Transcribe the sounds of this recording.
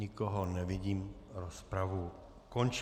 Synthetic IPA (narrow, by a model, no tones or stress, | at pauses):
ɪkoɦonɛvɪɟiːmɾospɾavu | kont͡ʃ